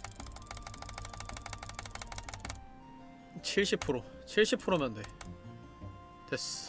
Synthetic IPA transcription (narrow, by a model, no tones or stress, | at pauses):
t͡ɕʰiɭɕ͈ipʰɯɾo | t͡ɕʰiɭɕ͈ipʰɯɾomande | t̪es